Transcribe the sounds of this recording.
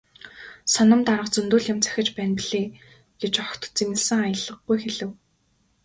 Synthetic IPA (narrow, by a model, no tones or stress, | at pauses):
sɔnɞ̆mt̪aɾə̆qt͡sɵnt̪uːɮɪ̆mt͡sʰæ̥xʲɪ̆t͡ɕpæːnpiɮ̥eː | ɡ̥et͡ɕɔxt̪t͡simɘ̆ɮsɘ̆ŋajə̆ɮə̆ɡːujxeɮɘ̆w